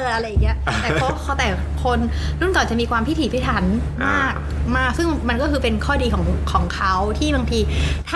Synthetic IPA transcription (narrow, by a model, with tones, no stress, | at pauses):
ʔa˧ɾa˧ja˨˩ŋːn˦˥ɐt̪ɛː˨˩pʰɔ˦˥pʰɔ˦˥t̪ɛː˨˩ | kʰo˧n | ɾu˥˩nk̪ɔː˨˩nt͡ɕa˨˩ʔmiː˧kʰwaː˧mpʰi˦˥t̪ʰiː˩˦pʰaː˦˥˩t̪ʰa˩˦˥n | maː˥˩˥k̚maː˥˩k̚sɯ˥˩ŋma˧nk̬ɔː˥˩kʰɯː˧pe˧nkʰɔː˥˩diː˧kʰɔː˩˦ŋkʰɔː˩˦ŋkʰa˦˥wt̪ʰiː˥˩baː˧ŋt̪ʰiː˧t̪ʰa˥